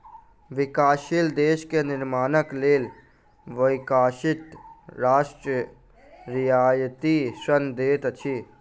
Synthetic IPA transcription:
ʋɪkaːʃild̪eːʃkenɪɾmaːnəkleːl | ʋəɪkaːʃɪt̪ɾaːʃʈɾə | ɾɪjaːjt̪isənd̪eːt̪t͡ʃʰi

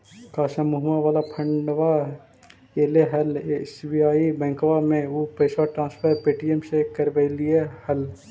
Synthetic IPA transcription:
kaːsamuɦmaʋaːlapʰə̃ɳɖʋa | eːleɦɐlesbiaːibɛ̃ːŋkʋamẽuːpeːswaʈɾãːspʰəɾpeːʈiemsekəɾbəɪliehəl

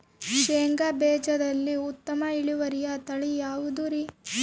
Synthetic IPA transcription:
ʃeːŋɡabɛːd͡ʒɐd̪ɐlːiut̪ːɐmɐiɭiʋɐɾijɐt̪ɐɭijaːʋud̪uɾi

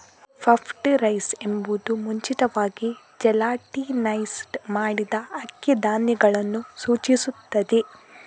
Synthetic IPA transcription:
pʰɐpʰʈɾɐjsembud̪umuɲt͡ʃit̪ɐʋaːɡi | d͡ʒɛlaːʈinɐjsʈmaːɽid̪ɐɐkːɐd̪aːnjɛɡɐɭɐnːusuːt͡ʃisut̪ːɐd̪e

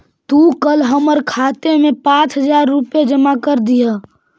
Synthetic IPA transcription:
t̪ukəlɦəməɾkʰaːt̪emẽpãːt͡ʃɦəd͡ʒaːɾːʊpjed͡ʒəmakəɾd̪ijaː

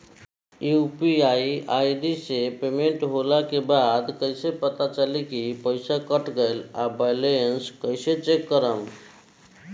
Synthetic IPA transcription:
jupiaiajd̪isepemeɳʈɦolakebad̪kəɪsepət̪at͡ʃəlikipəɪsakəʈɡəjlabəjleənskəɪset͡ʃekːəɾəm

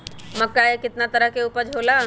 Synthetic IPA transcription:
mɐkːajekɪt̪nat̪ɐɾəɦkeʊpəd͡ʒʱɦoːla

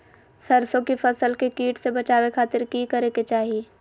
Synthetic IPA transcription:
sɐɾsõkifɐsəlkekiːʈsebɐt͡ʃaːwekʰaːt̪ɪɾkiːkɐɾeːket͡ʃaːɦieː

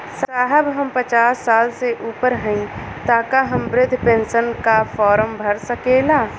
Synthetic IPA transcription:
saːɦəbɦəmpət͡ʃaːsːaːlseʔuːpəɾɦə̃ĩ | t̪aːkaɦəmbɾɪd̪ʱːpẽːnʃənkafɔːɾəmbʱɐɾsəkeːlaː

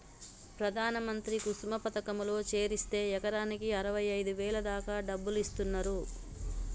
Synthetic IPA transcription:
pɾɐd̪ʱaːnɐmɐnt̪ɾikusmɐpɐt̪ɐkɐmulo̞ːt͡ʃe̞ːɾist̪e̞ːɛkɐɾaːnikiɐɾɐʋɐjɐjd̪uʋɛːlɐd̪aːkaːɖɐbːulist̪unːɐɾu

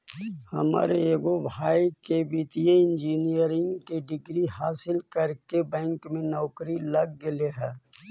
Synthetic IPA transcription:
hɐma̰ːɾeeːɡobʱaːikebit̪ijeɪ̃nd͡ʒiːnijəɾɪ̃ŋɡkeɖɪɡɾiɦaːsɪlkəɾkebɛ̃ːŋkmẽnɔːkɾiləɡ̚ːɪleɦɛː

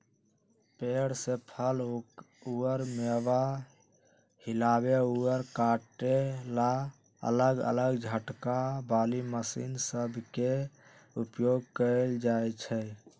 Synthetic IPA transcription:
peɽsepʰəl | uəɾmeba | hilabeuəɾkaʈela | ə̰ləɡə̰ləɡd͡ʒʱəʈkabaliməsḭnsəbʱke | upjoɡ̚kəld͡ʒajt͡ʃʰɛ

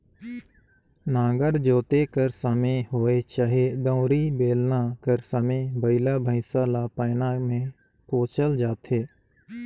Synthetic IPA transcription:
nãːɡəɾd͡ʒoːt̪ekəɾsəmẽɦoːet͡ʃaːɦied̪ə̃ʊɾibeːlnakəɾsəmẽbəɪlabʱə̃ɪsalapəːnamẽ | koːt͡ʃəld͡ʒaːt̪ʰeː

